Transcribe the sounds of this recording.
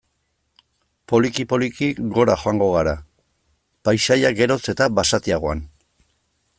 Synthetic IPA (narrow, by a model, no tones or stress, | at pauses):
po̞likipo̞likikɡo̞ɾaxoaŋɡo̞ɣaɾa | pajʃajaɡe̞ɾo̞t͡se̞t̪aβasat̪iaɣ̞o̞a̰n